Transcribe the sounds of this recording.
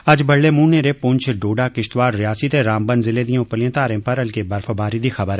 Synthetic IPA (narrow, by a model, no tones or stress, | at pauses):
ɐd͡ʒbɐɽːemũːneɾepʊ̃ɲt͡ʃʰɖoːɖakɪʃt̪ʋaːɾɾɪjaːsit̪eɾãːmbənzɪled̪ijõpəlijẽːt̪aːɾẽːpɐɾɐlkebɐɾfəbaːɾid̪ixɐbəɾ